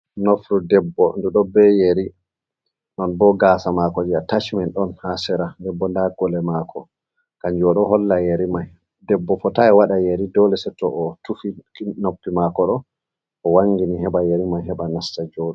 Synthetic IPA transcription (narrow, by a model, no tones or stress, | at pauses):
nofɾudɛbːɔnduɗɔbɛjeɾi | nɔnbɔɡaːsamakɔd͡ʒiatat͡ʃmɛnɗɔnhasɛɾandɛbːɔndaɡɔlɛmaːkʰɔ | kaɲd͡ʒɔɗɔɦɔlːajeɾimaj | dɛbːɔfɔtaɛwaɗajeɾidɔlɛsɛtɔʔɔtufinopːimakɔɗɔ | ʔɔwaŋːɡiniɦɛɓajeɾimajɦɛɓanastad͡ʒɔɗu